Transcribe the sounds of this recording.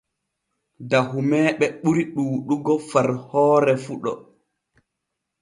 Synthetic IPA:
dahumɛːɓɛɓuɾiɗuːɗuɡɔfaɾhɔːɾɛfuɗɔ̰

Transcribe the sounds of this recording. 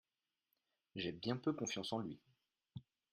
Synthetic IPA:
ʒɛbjɛ̃pøkɔ̃fjɑ̃sɑ̃lɥi

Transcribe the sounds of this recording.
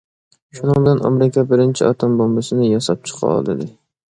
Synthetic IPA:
ʃunɨŋbɪlænɒ̰meɾɪkʲʰɛbɪɾɪnt͡ʃʰiɒt̪ʰombombɑsɪnɪjɒsɑp̚t͡ʃʰɨ̥qʰɑ̰lˠd̪ɪd̪ɪ

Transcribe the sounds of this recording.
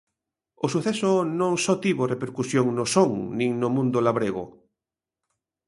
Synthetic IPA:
osuθɛsʊnõŋsɔt̪iβorepeɾkusjoŋnosoŋnĩŋnʊmũnd̪olaβɾeɣʊ̰

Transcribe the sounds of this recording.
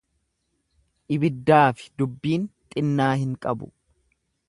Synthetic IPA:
ʔɪbɪd̪ːaːfɪ̥d̪ʊbːiːnt̪ʼɪnːaːhɪŋkʼɐbʊ̰

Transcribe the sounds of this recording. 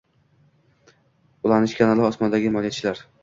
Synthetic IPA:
ʊlˠaɾnɪʃkʲʰanalɪɒsmɒnd̪aɡʲɪmɒlijat͡ʃʰɪlaɾ

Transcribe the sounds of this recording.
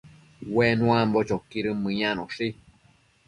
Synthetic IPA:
wenũãmbot͡ʃokiɾɨmɨ̃ɲãnõʂi

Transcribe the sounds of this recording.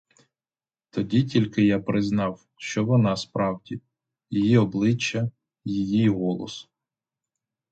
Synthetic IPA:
t̪ɔdʲitʲilʲkɪjapɾɪznɑw | ʃt͡ʃɔʋɔnɑspɾɑwdʲi | jijiɔblˠɪt͡ʃːɐ | jijiɦɔlˠɔ̰s

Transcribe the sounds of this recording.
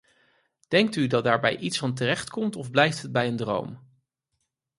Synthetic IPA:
d̥ɛŋk̚tydɑt̚daːɹbɛ̰jʔitsfɑnt̬ərɛχtkɔmtɔvblɛjftɦəd̚bɛjəndro̰wm

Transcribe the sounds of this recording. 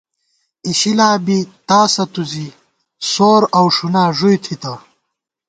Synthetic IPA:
iɕilaːbit̪aːsɐt̪uzi | soːɾɐwʂunaːʐujt̪ʰit̪ɐ

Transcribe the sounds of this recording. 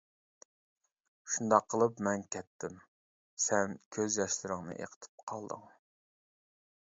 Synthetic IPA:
ʃund̪ɑqʰːəlˠɨpmɛnkʲʰɛt̪ʰːɪm | sɛnkʲʰøzjɛʃlɪɾɪŋnɨ̰ʔḛqʰə̥t̪ʰɪ̥p̚qʰɑlˠd̪ɨ̰ŋ

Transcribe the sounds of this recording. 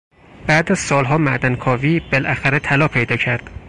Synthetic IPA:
b̥æd̪æz̥sɒːlɦɒːmæʔd̪ænkʰɒːviːbelʔæxæɾet̪ʰælɒːpʰe̞jd̪ɒːcʰæɾd̪̥

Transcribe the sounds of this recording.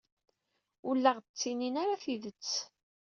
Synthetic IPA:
ʊlːəʁət͡sːininaɾaθiðət͡sː

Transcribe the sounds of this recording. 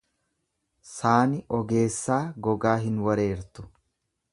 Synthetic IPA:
saːnɪʔɔɡe̞ːsːaːɡɔɡaːɦɪnwɐɾeːɾt̪ʊ̥

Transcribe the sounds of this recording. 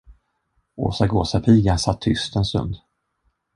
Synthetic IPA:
o̰ːsaɡoːsapʰiːɡasat̪ʰːʏst̪ɛnst̪ɵ̰nd̪

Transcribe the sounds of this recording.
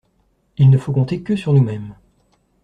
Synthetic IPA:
ilnəfokɔ̃t̪ekəsyʁnumɛm

